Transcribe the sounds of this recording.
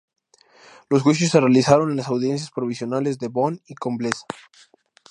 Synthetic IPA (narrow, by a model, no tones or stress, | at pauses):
lozɣwiʃ̬osːerealisaɾonenlasawðje̞ns̬jaspɾo̞β̞isjo̞nale̞zðe̞βoniko̞mblesḁ